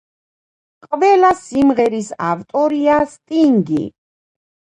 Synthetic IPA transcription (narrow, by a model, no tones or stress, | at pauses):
qʼvɛlasimʁɛɾisa̰vt̪ʼɔɾiast̪ʼiŋɡḭ